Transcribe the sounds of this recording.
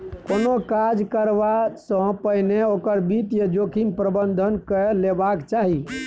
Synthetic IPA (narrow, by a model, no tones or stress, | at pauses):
konokad͡ʒkəɾbasə̃pəɦneokəɾbit̪jəd͡ʒokʰinpɾəbənd̪ʱənkəlebakt͡ʃaɦi